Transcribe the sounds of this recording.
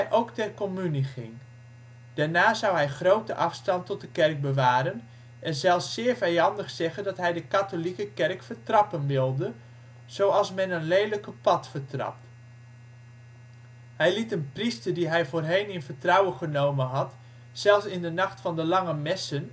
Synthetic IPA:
jʔowktɛrkomyniχɪ̰ŋ | d̥aːɹnaːzʌwɦɛjχrowtəʔɑfstɑntɔt̚dəkɛrk̚bəʋaːɾən | ʔɛnzɛlˠfsːɪːɹvɛjɑndəχsɛχəndɑtɦɛjdəkatolikəkɛrkfəɹtrɑpənʋɪlˠdə | z̥owɑlˠsmɛnənlejləkəpɑtfəɹtrɑ̰p̚t | hɛjlitənpristəɹdiɦɛjvoːrɦejnɪnvətrɑwəχənowmənɦɑt | sɛlˠfsɪndənɑχtfɑndəlɑŋəmɛsən

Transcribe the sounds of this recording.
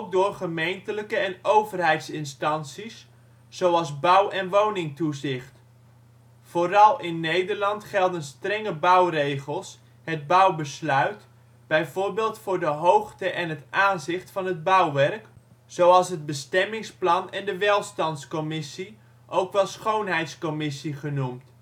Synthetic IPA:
ok̚dʊːrχəmejntələkəɛnowvərɦɛjtsɪnstɑnsis | z̥owɑlˠzbʌwɛnʋownɪŋtuzɪχt | foːrɑlˠɪnːejdərlɑntχɛlˠdənstrɛŋəbʌwrejχəlˠs | ɦəd̚bʌwbəslœɥt | b̥ɛjvʊːrbeːlˠtfʊːɹdəɦowχtəʔɛnɦətʔaːnzɪχtfɑnɦəd̚bʌwʋɛrk | z̥owɑlˠsɦəd̚bəstɛmɪŋsplɑnɛndəʋɛlˠstɑntskɔmɪsi | ʔowkʋɛlˠsχownɦɛjtskɔmɪsiχənumt

